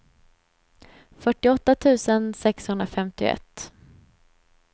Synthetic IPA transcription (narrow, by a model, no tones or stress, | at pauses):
fœʈːɪɔt̪ːat̪ʰʉ̟ːsənsɛkshɵnd̪ɾafɛmt̪ɪʊ̰ɛ̰t̪ː